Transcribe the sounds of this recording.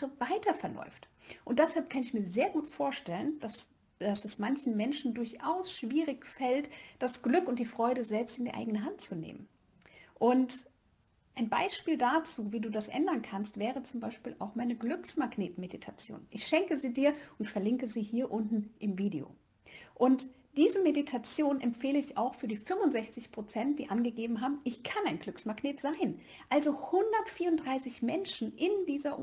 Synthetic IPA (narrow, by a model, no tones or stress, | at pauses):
əvaɪtʰɐfɛɐlʔɔ̰ʏft | ʔʊnt̚d̥ɛshalp̚kʰanɪçmiːɐzeːɐɡuːtfoːɐʃtɛlənd̥as | d̥asɛsmançn̩mɛnʃn̩dʊɐçʔaʊsʃv̥iːʁɪçfɛltd̥asɡ̥lʏkʊnt̚d̥iːfʁ̥ɔʏɾəzɛlpstɪndiːɐʔa̰ɪɡənəɦantt͡sunḛːmən | ʔʊnt | ʔaɪnba̰ɪʃpiːldat͡suːviːduːdasʔɛ̰ndɐnkʰanstv̥ɛːʁət͡sʊmbaɪʃpiːla̰ʊxmaɪnəɡlʏksmaɡneːtmeditʰat͡sjo̰ːnʔɪçʃɛŋkəziːdiːɐʊntfɛɐlɪŋkəziːhiːɐʔʊntn̩ʔɪmviːdeo̰ː | ʔʊnt | d̥iːzəmeditʰat͡sjoːnʔɛmpfeːləɪça̰ʊxfyːɐdiːfʏmʊnzɛçt͡sɪçpʁ̥ot͡sɛnt̚d̥iːʔanɡəɡeːbm̩ɦaːbm̩ɪçkʰanaɪnɡlʏksmaɡneːtz̥aɪn | ʔalzohʊndɐtfiːɐʊntd̥ʁaɪsɪçmɛnʃn̩ʔɪndiːzɐ